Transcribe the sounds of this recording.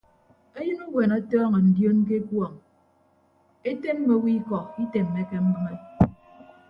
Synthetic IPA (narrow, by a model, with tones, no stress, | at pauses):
e˦jɨ˦nu˦ɡwe˨nɔ˦tɔː˦ŋɔ˨n̩˨djo˦nk̬e˦kwɔ˨ŋ | e˦te˦m̩˦me˦wi˦kɔ˨i˦te˨mːe˨˦ke˦m̩˦bɨ˦ŋe˦